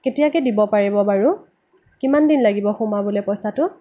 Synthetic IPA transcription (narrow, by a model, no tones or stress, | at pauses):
ketijakɛdibɔpaɹibɔbaɹʊ | kimandinlaɡibɔxʊmabʊlɛpɔjsatʊ